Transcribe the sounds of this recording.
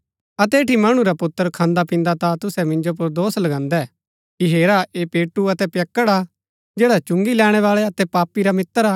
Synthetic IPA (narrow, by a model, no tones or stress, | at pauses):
ɐt̪ɛeːʈimɐɽ̃ũɾapʊt̪ːəɾkʰãːnd̪apɪ̃ːnd̪at̪at̪ʊsɛmɪ̃ɲd͡ʒop̬ʊɾd̪oːslɐɡãːnd̪ɛ | kiɦeːɾaʔeːpeːʈːuɐt̪ɛpjɐkːəɽaː | d͡ʒeːɽat͡ʃʊ̃ŋɡilɛːɽ̃ɛʋaːɭɛɐt̪ɛpaːpːiɾamɪt̪ːəɾaː